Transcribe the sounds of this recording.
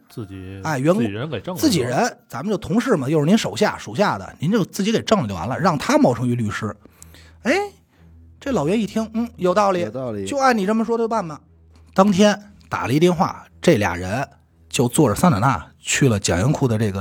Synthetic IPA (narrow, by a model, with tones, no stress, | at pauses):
t͡s̩˥˩t͡ɕa˥˩ɪɥɛ˧˥nkə˧˥nke˨˩ʈ͡ʂŋt͡sɹ̩˥˩t͡ɕi˨˩ɻə˧˥nt͡sa˧˥mə˧t͡ɕjo˥˩ʊt̪ʰʊ˧˥ŋʂɻ̩˥˩mɐ˩t͡ɕjo˥˧ʊʂɻ̩˥˧ni˧˥nʂo˨˩ʊɕ̬ja˥˩ʂo˨˩ʊɕ̬ja˥˩d̪ə̰˩ni˧˥nt͡ɕjo˥˧ʊt͡sɹ̩˥˩t͡ɕi˧˥ke˨˩ɪʈ͡ʂɤ˥˩ŋlə˨t͡ɕjwa̰˧˥nlə̰˧ɻɑ˥˩ŋt̪ʰa˥mɑ˥ʊʈ͡ʂʰɤ˧˥ŋy˧˥ly˥˩ʂɻ̩˥ | e˥˩ɪ | ʈ͡ʂlɑ˨˩ʊɥɛ˧˥ni˥˩t̪ʰi˥ŋn̩˥˩jo˨˩ʊt̪ɑ˥˩ʊli˨˧˦t͡ɕjo˥˧ʊa˥˩ni˨˩ʈ͡ʂə˥˩nmə˨˩ʂwɔ˥wa˥˩nmɐ˩ | t̪ɑ˥ŋt̪ʰjɛ˥n | t̪a̰˨˩lə˦i˧˥t̪jɛ˧nxwa̰˥˩ | ʈ͡ʂɤ˥˩ljɑ̰˨˩ŋɻə˧˥n | t͡ɕjo˥˧ʊt͡swɔ˥˩ʈ͡ʂə˨˩sa˥na˧˥na̰˥˩ | t͡ɕʰy˥˩lə˩t͡ɕjɑ˨˩ŋjɛ˧˥nkʰu˥˩d̪ə˩ʈ͡ʂɤ˥˩ɡə˩